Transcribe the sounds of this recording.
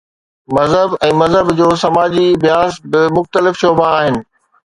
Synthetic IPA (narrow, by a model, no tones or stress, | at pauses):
mɐzɦəbɛ̃ːmɐzɦəbd͡ʑoːsɐmaːd͡ʑibjaːst̪̚bɪmʊxt̪əlɪfʃoːbaːɦɪnɪ̆